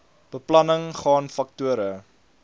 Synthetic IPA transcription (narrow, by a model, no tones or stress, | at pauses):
b̥əplɐnəŋχɑːnfɐk̚tuəɾə